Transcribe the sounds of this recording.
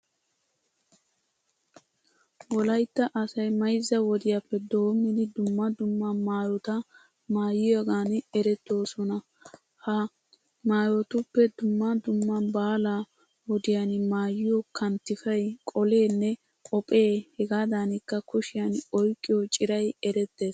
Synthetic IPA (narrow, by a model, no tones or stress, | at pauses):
wɔlɐjt̪ːɐʔɐsɐjmɐjzːɐwɔd̪ɪjapːɛd̪oːmnɪd̪ɪd̪ʊmːɐd̪ʊmːɐmaːjɔt̪ɐ | maːjɪjɐɡaːnɛɾɛt̪ːo̞ːsɔnɐ | hɐ | maːjɔt̪ʊpːɛd̪ʊmːɐd̪ʊmːɐbaːla | wɔd̪ɪjanmaːjːɪjɔkʰɐnt̪ːɪfɐjkʼɔle̞ːnːɛ | kʼɔpʼe̞ːhɛɡaːd̪aːnɪkːɐkʊʃɪjɐnɔjkʼːɪjot͡ʃʼɪɾɐjɛɾɛt̪ːe̞ːs